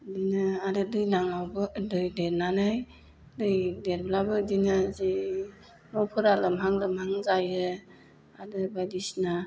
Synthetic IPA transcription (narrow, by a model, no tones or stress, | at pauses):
dinɯaɾɯdɯjnaŋawbɯdɯjdeɾnanaj | dɯjdeɾblabɯdinɯzi | nɔpʰɯɾalɯmɦaŋlɯmhaŋzajɯ | adɯbajdisna